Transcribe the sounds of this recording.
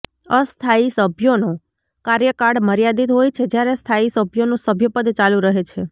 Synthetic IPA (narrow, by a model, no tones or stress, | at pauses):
əst̪ʰaisəbʱjono | kaɾjəkaɽməɾjad̪it̪ɦojt͡ʃʰed͡ʒjaɾest̪ʰaisəbʱjonũsəbʱjəpəd̪t͡ʃalũɾəɦet͡ʃʰe